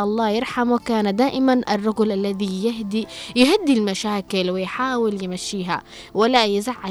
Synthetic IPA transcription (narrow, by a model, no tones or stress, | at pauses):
ʔɑlˤːɑːjɪɾˤħamwɪkaːnad̪aːʔɪmanʔɑrˤːɑɡʊlʔalːaðijɪɦd̪ijɪɦad̪ːilmaʃaːkɪlwɪjħaːwɪljɪmaʃːiːɦa | wɪlːajɪzaʕːa